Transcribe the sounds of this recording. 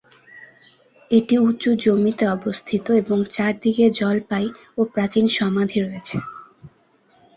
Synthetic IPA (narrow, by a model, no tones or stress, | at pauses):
eʈiut͡ɕːud͡ʑomit̪eɔbost̪ʰit̪oeboŋt͡ɕaɾd̪iɡed͡ʑɔlpaj | opɾat͡ɕinʃɔmad̪ʱiɾoet͡ɕʰe